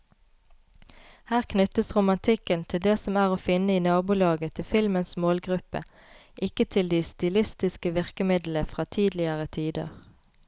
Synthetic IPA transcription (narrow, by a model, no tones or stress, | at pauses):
hæːʁkʰnʉt̪əsʁʊmɑnt̪ʰɪkənt̪ʰɪld̪eːsɔmæːʁoːfɪnəiːnɑːbʊlɑːɡət̪ʰɪfɪlmənsmoːlɡʁʉpə̰ | ʔɪkət̪ʰɪld̪iːst̪ɪlɪst̪ɪskəʋɪʁkəmɪd̪l̩əfʁɑːt̪ʰiːd̪lɪəʁət̪ʰiːd̪ə̰ʁ